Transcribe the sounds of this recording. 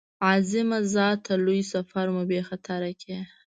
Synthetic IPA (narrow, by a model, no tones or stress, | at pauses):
ɑzɪmazɑt̪alujsafaɾmʊbexat̪ʰaɾakʰe